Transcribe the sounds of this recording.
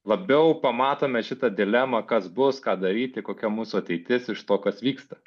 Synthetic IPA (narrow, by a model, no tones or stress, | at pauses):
lˠɐbʲɛʊpɐmɑːt̪oːmʲɛʃʲɪt̪ɐd̪ʲɪlʲɛmɐkɐsbʊskɑːd̪ɐɾʲiːt̪ʲɪkoːkʲɛmuːsuɐt̪ʲɛɪt̪ʲɪsɪʃt̪oːkɐsʋʲiːkst̪ɐ